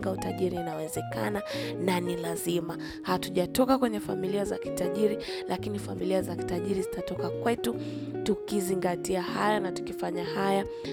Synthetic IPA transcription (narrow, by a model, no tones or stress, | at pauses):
ɡautaʄiɾiːnawɛzɛkanananilazima | hatuʄatɔkakwɛɲɛfamiliaza̰ki̥taʄiɾi | lakinifamiliazaki̥taʄiɾizitatɔkakwɛtu | tukiziŋɡatiaha̰janatu̥kifaɲahaja